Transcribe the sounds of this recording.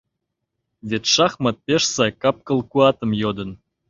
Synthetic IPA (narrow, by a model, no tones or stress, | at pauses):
vʲet̪ʃɑχmɑt̪̚pʲeʃsɑjkɑp̚kɤ̆lˠkuɑt̪ə̆mjod̪ə̆n